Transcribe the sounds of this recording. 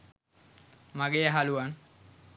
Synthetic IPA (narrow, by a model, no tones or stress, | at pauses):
maɡejəɦaluan